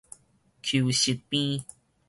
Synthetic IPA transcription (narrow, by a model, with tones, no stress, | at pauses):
kʰju˨ɕi˨t̚pĩ˦